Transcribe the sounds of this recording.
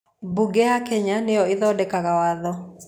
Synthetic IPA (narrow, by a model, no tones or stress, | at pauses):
buɡɛakɛɲaneɔeðɔdɛkaɣawaðɔ